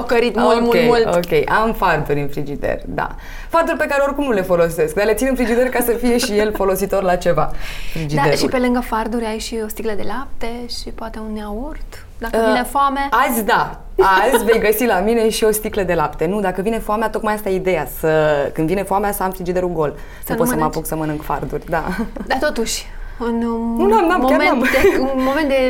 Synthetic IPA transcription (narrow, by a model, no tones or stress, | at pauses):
akəɾit̪momkʲemultokʲejʔamfard̪uɾʲɨnfɾid͡ʒid̪ḛrʲd̪a̰ | fard̪urʲpe̞kaɾeo̞rkumnule̞fo̞lo̞se̞sk̚d̪alet̪sineɨnfɾid͡ʒid̪e̞rkasəfije̞ʃije̞lfo̞lo̞sit̪o̞rlat͡ʃe̞va̰fɾid͡ʒid̪aeʃuilpe̞lɨŋɡəfard̪uɾʲajʃio̞st̪ikləd̪e̞lap̚t̪eʃipoat̪eunneaurt̪ | d̪akəiinefoameazʲd̪a | azʲve̞jɡəsilamine̞ʃio̞st̪ikləd̪e̞lapt̪e̞nud̪akəvine̞foameat̪o̞k̪majast̪ajeid̪e̞jasəkɨnd̪vinefoameast̪aamfɾid͡ʒid̪eɾulɡo̞l | səpotsəmapuksəmənɨŋkfa̰rd̪urʲd̪a̰d̪at̪ot̪uʃʲɨnnunamnamkaɾmemmomẽnt̪̚d̪e